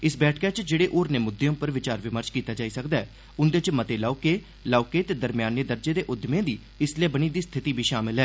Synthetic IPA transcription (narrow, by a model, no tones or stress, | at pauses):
ɪsbɛːʈʰkaːt͡ʃd͡ʒeːɽeːʔoːɾneːmʊd̪ːeõːpəɾʋɪt͡ʃaːɾʋɪməɾt͡ʃkiːt̪aːd͡ʒaːiːsəkd̪aːɛː | ʊnd̪et͡ʃmət̪eːlaːkeː | laːkeːt̪eːd̪əɾmɪjaːnːeːd̪əɾd͡ʒeːd̪eːʔʊd̪mẽːd̪iː | ɪslijaːbəñĩːd̪iːst̪ʰɪt̪iːbʱiːʃaːmɪlɦɛː